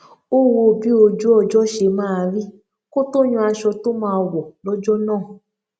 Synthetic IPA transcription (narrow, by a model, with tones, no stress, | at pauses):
o˦wo˧bi˦o˧d͡ʒo˦ɔ˧d͡ʒɔ˦ʃe˧mãː˦˧ɾi˦ | ko˦to˦ɲ̃ũ˧a˧ʃɔ˧to˦mãː˧wɔ˨lɔ˦d͡ʒɔ˦nãː˦˨